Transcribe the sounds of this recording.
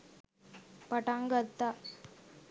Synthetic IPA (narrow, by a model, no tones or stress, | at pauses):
pɐʈaŋɡɐt̪ːa